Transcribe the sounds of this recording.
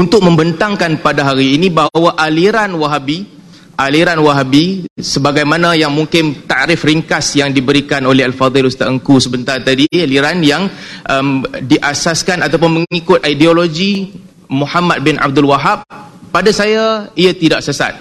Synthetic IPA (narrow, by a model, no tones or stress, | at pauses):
unt̪ʊk̚mə̃mbənt̪aŋkanpadaɦaɾiːnibaɦawaʔaliɾanwaɦabi | ʔaliɾanwaɦabisəbaɡajmanãjaŋmũŋkɪnt̪aʔɾɪfɾiŋkasjaŋdibəɾikanolɛɦalfad̪ɪlust̪aʔəŋkusəbənt̪art̪adialiɾanjaŋʔəmdiʔasaskanat̪awp̬ʊnməŋikʊt̪̚ʔaidioloɡi | muhamat̪̚bɪnʔa̰b̚d̪ʊlwaɦap̚ːadasajaiat̪idaʔsəsa̰t̪̚